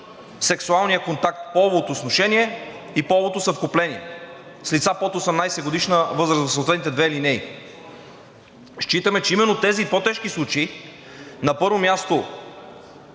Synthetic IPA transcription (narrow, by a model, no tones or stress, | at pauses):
sɛksualˠnijəkont̪ak̚t̪pɔvot̪oːsnoʃɛniɛ | ipɔvot̪osɐfkoplɛniɛ̰ | slit̪sapot̪osɛmnajsɛɡod̪iʃnəvɤzɾəzvɐsot̪ɛt̪nit̪ɛd̪vɛlinɛi | ʃt͡ʃit̪əmɛt͡ʃɛimɛnːot̪ɛzipot̪ɛʃkislˠut͡ʃei | nɐpɤɾvomʲjast̪o